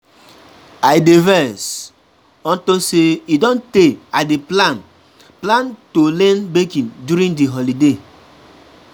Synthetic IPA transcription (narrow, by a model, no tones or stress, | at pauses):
ajdevɛs | ɔ̃ntoseidɔ̃nteadeplan | plãntolɛ̃nbekĩndjuɾĩndiɦɔlide